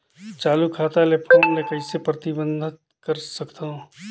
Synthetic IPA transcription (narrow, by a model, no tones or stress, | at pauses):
t͡ʃaːlukʰaːt̪alepʰoːmlekɐisepɾɐt̪ɪbə̃nd̪ʱɪt̪̚ | kɐɾsɐkt̪aɦũ